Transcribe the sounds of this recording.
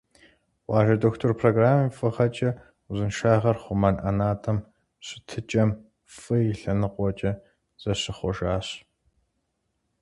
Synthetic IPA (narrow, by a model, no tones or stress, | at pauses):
wɑːʒɐdoːxtʰorpʰroɡraːmifʼɨʁɐt͡ʃʼɐ | zɨnʃaːʁɐrχʷʊmɐnʔɐnaːtʰɐm | ɕʼɪtʰɨt͡ʃʼɐm | fʼɨjɪɬɐnɨqʷɔt͡ʃʼɐ | z̥ɐɕɪχʷɔʒaːɕ